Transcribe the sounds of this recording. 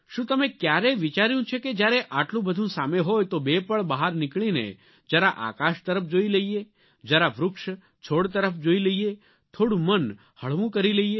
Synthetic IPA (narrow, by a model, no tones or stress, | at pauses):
ʃũt̪əmekjaɾeʋit͡ʃaɾjũt͡ʃʰeked͡ʒjaɾeʔaʈlũbəd̪ʱũsameɦojt̪obepəɭbaɦaɾnɪkɭinḛ | d͡ʒəɾaʔa̰kaʃt̪əɾəfd͡ʒoiləie | d͡ʒəɾaʋɾʊkʃ | t͡ʃʰoɽt̪əɾəfd͡ʒoiləie | t̪ʰoɽũmən | həɭʋũkəɾiləie